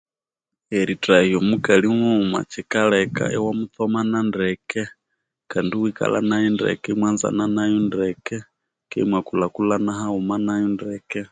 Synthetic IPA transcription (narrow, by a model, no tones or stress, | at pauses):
ɛɾitɾaiɔmukaliŋɔuma̰t͡ʃɛkalɛka̰ʔɛwamuθɔmanandɛkɛ | kandiwika̰la̰najɛndɛ̰kɛmwanza̰nanajundɛkɛ | kɛimwakulakulanaɦaumanajɔndɛkɛ